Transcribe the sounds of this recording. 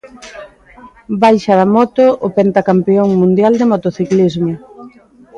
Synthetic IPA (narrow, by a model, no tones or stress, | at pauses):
bajʃɐðamɔt̪ʊʔʊpent̪akampeoŋmũnd̪jald̪emot̪oθiklizmʊ